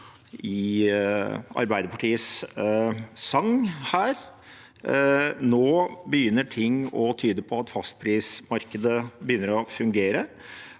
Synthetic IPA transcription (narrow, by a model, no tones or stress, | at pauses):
ɪ | ɑ̰ɾbæɪd̪əpʰɑʈʰiːəs | ɑŋːhæːɾ | noːbəjʏnːəʈʰɪŋːɔt̪ʰyːd̪əpʰɔɑt̪fɑst̪̚pʰɾiːsmɑɾkəd̪əbəjʏnːəɾɔfʉŋɡeːɾə